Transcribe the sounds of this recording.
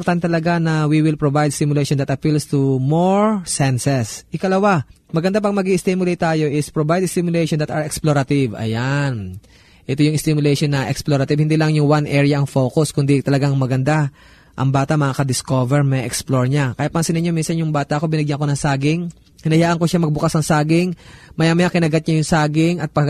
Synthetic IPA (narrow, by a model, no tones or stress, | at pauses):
ɾt̪ant̪ɐlɐɡanɐwiwɪlpɹovajd̪sɪmʊlɛjʃond̪ɐt̪ɐpilst̪umoɹsɛnsɛsʔɪkɐlɐwamɐɡɐnd̪ap̬ɐɡ̚mɐɡiʔɪst̪imʊlɛjt̪aːjo̞ʔɪspɹobajd̪st̪ɪmjʊlɛjʃɔnd̪ɐt̪ɐɹɛksploɾɐt̪ɪvɐ̰jan | ʔɛt̪o̞jʊŋɪst̪ɪmjʊlɛjʃonːɐʔɛksploɾɐt̪ɪbhɪnd̪iːlɐŋjʊŋwanʔɛɹɪjɐʔɐŋfo̞kʊskʊnd̪it̪ɐlɐɡaŋmɐɡɐnd̪a | ʔɐ̰ŋbaːt̪ɐmɐʔaːkɐd̪ɪsko̞vɛɹmɐʔɛksploɹɲakɐjat̪̚pɐnsɪnɪɲo̞minsɐnjʊŋbaːt̪ɐʔko̞bɪnɪɡjaŋko̞nɐŋsaːɡɪŋ | hɪnɐjaːʔɐŋkoʃamɐɡ̚bʊkasnɐŋsaːɡɪŋmɐjamɐjakɪnɐɡat̪̚ɲajʊŋsaːɡɪŋɐt̪̚pɐ